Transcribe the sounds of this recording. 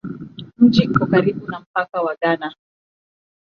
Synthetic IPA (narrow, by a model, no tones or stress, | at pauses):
m̩d͡ʒikɔkaɾiɓunam̩pakawaɠana